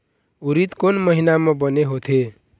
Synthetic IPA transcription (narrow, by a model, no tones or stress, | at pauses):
uɾit̪konmʌɦinamʌ̃bʌneɦot̪ʰe